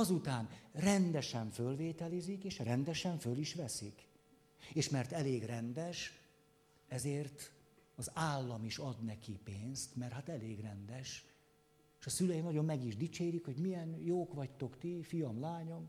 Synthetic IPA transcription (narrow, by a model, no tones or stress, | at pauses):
ɒzut̪aːnrɛnd̪ɛʃɛɱfølveːt̪ɛlizikeːʃrɛnd̪ɛʃɛɱføliʃʋɛsik | eːʃmɛrt̪ɛleːɡrɛnd̪ɛʃ | ɛzeːrt̪ | ɒzaːlːɒmiʃɒd̪nɛkipeːnst̪mɛrɦat̪ɛleːɡrɛnd̪ɛʃ | eʃɒsylɛjinɒɟo̞mːɛɡiʒd̪it͡ʃeːɾikho̞ɟmijɛnjoːkʋɒct̪o̞kt̪ifijɒmlaːɲo̞m